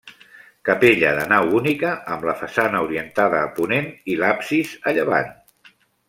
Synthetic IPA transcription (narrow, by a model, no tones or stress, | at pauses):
kəpeʎəðənawunikəʔːmləfəsanəuɾiənt̪aðəːpunenilapsizəʎəβa̰n